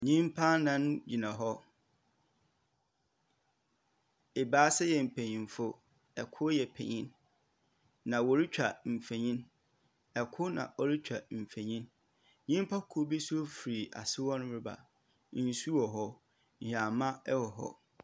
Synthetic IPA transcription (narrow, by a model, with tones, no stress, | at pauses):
ɲĩ˦m˦pʰã˦nã˦n˦d͡ʑi˨nã˨ɦɔ˦ | e˨baː˦sɛ˦jɛ˨m̩˨pʰẽ˨ɲĩ˨m˨fʊ˦ | ɛ˨kʰʊ˦jɛ˨pʰḛ˨ɲĩ˦n | nã˨wɔ˨ɾi˦t͡ɕᶣa˨m̩˨fe˨ɲĩ˦n | ɛ˨kʰʊ˦nã̰˨ʔɔ˨ɾi˦t͡ɕᶣa˨m̩˨fẽ˨ɲĩ˦n | ɲĩ˦m˦pʰa˦kʰu˦bi˦su˦o˦fi˨ɾi˨ʔa̰˨sɪ˦wɔ̃˦nʊ̃˦bɾɪ˦ba̰˨˦ | n̩˨˦su˦wɔ˨ɦɔ˦˨ | hᶣa˨mã˦ɛ˦wɔ˨ɦɔ̰˦